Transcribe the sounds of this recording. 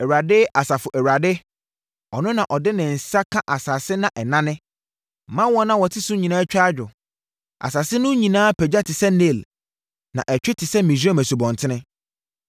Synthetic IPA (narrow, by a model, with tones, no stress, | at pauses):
ɛ˨wɥɾa˨dɪ˦ʔa˨sa˨fʊ˨ʔɛ˨wɥɾa˨dɪ˦ | ɔ˨nʊ̃˦nã˨ʔɔ˨dɪ˦nɪ̃˨n̩˨sa˦kʰã˦ʔa˨sa˨sɪ˦nã˨ʔɛ˨nã˦nɪ̃˦ | mã˦wɔ˦nã˦wɔ˨tʰɪ˦sʊ˦ɲĩ˨nãː˦t͡ɕᶣa˦d͡ʑᶣʊ˨ | a̰˨saː˨sɪ˦nʊ̃˦ɲĩ˨nãː˦pʰɛ˨d͡ʑa˦tʰɪ˨sɛ˦ne˦˨l | nã̰˨ʔɛ˨t͡ɕᶣɪ˦tʰɪ˨sɛ˦mĩ˨s̬a˦mæ̃˨su˨bɔ̃˨ntʰɪ˦nɪ̃˦